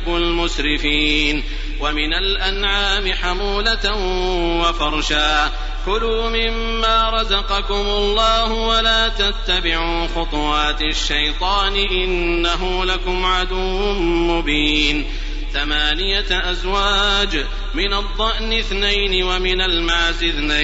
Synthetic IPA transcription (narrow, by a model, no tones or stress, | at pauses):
ʊlmʊʃɾɪfiːn | wamɪnalʔanʕaːmɪħamuːlat̪ | wafɑɾˤʃaː | kʊluːmɪmːaːɾˤɑzɑqɑkʊmʊlˤːɑːhʊwalaːt̪at̪ːabɪʕuːxʊt̪ˤʊwaːt̪ | ʃːajt̪ˤɑːnɪʔɪnːaɦʊːlakʊmʕad̪uwʊmmʊbiːn | θamaːnɪjaʔazwaːd͡ʒ | mɪnad̪ˤːɑʔnɪθnajnɪwamɪnalmaːzɪθnaj